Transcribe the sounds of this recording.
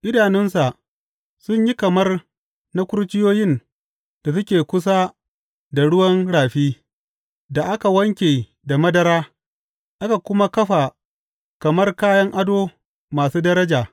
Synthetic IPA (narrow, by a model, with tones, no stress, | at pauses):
ʔɪ˦daː˨nɪ˦nsa˨ʔ | sʊ˦ɲji˦kɐ˨mɐ˦r | na˦kʷʊ˦ɾt͡ʃɪ˦joː˦jɪ˦n | d̥a˨s̬ʊ˦kʲeː˨kʷʊ˦s̬a˦ | da˨ɽʊ˦wɐ˦nɽaː˨ɸiː˦ | da˨ʔa˦ka˨wɐ˦ŋkʲeː˨ | da˨mɐ˦dɐ˨ɾaː˦ | ʔa˦ka˨kʷʊ˦ma˦kɐ˦ɸa˨ | kɐ˨mɐ˦rkaː˦jɐ˦ŋʔa˦doː˦ | maː˨suː˦dɐ˦ɾɐ˦d͡ʒaː˨